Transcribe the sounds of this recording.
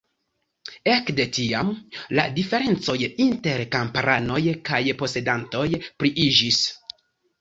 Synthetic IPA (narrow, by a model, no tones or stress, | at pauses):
e̞kde̞tiamla̰dife̞ɾe̞nt͡so̞jinte̞ɾkampaɾano̞jkajpo̞se̞danto̞jpɾiʔid͡ʒis